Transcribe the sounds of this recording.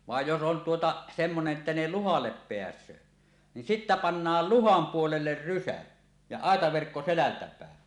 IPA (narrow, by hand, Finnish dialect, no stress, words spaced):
ʋɑˑej jos on tuotɑ semːoneʔ ʔetːæ ne luhɑlːep peæsˑøː nin sitːæ pɑnːɑːl luhɑm puolelːer rysæ jɑ ɑˑetɑʋerkːo selæltæ pæˑen